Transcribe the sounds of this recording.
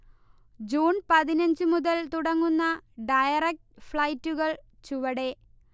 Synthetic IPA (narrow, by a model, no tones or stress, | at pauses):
d͡ʑuːɳpɐðinɐɲd͡ʑɨmuðɐlt̪uɽɐŋːunːɐɖɐjɐrek̚ʈfɭɐjtːuɣɐɭ | t͡ɕuʋɐɽe